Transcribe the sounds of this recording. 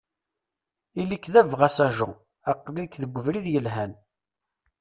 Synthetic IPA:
ilikːðævʁæsæʒʊ̰ | æqːlikðəɡʷːəvɾiðjəlɦæn

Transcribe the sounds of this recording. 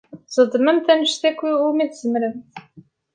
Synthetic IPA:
zˤəd̪ˤməmt̪ænəʃθækʷːiʊmiθzəmɾəmθ

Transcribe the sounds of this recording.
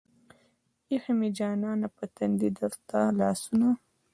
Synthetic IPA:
ixamid͡ʒɑːnɑːnapət̪and̪id̪aɾt̪alɑːsuna

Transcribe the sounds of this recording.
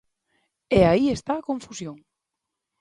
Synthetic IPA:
ɛaiest̪aːkõɱfusjõŋ

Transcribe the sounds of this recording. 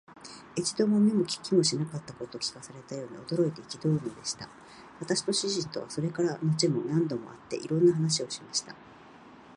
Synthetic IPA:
et͡ɕi̥d̪o̞mo̞mʲemokʲi̥kʲːimo̞ɕinakat̪ːako̞t̪okʲi̥kasaɾe̞t̪ajo̞ːɲ̟ḭo̞d̪o̞ɾo̞it̪e̞ikʲid̪o̞ɾɯ̟no̞d̪e̞ɕi̥t̪a̰ | βat̪aɕi̥t̪o̞ɕiʑĩnt̪o̞̰βa̰so̞ɾe̞kaɾano̞t͡ɕimo̞nãnd̪o̞mo̞̰at̪ːe̞ʔḭɾõ̞nːaɦanaɕ̬io̞ɕimaɕi̥t̪a

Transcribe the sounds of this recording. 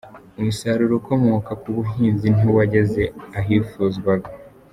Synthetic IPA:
umusaɾuɾoko̞mo̞kakuβuɦiːnzinuwaɟe̞ze̞aɦiːfuːzɡwaɡa

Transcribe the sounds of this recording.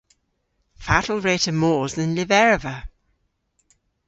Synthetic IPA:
fa̰tʰl̩ˠɹeːtəmɔːzðə̃nlɪvɛɹəvə

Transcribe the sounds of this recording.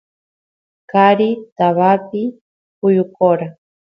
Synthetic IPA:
kaɾit̪aβapi | pʊjʊkoɾa

